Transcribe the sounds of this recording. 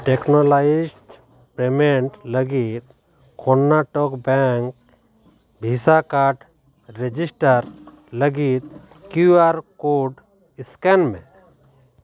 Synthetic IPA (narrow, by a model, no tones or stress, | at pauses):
ʈeknɔlaid͡ʒʈ | pemeɳʈləɡit̪̚ | kɔnːaʈɔkbɛŋk̚ | bʱisakaɾʈ | ɾed͡ʒisʈəɾ | ləɡit̪̚ | kjuaɾkoɖ | iskɛnmḛ̃